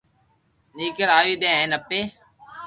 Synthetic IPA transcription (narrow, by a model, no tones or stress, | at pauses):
niːkəɾaːʋiːd̪ẽːɦẽːnəpːeː